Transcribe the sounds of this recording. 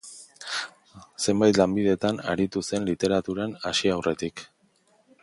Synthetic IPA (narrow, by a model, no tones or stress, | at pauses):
se̞mbajt̪lambiðe̞t̪ana̰ɾit̪use̞nlit̪e̞ɾat̪uɾanaʃiawre̞t̪ik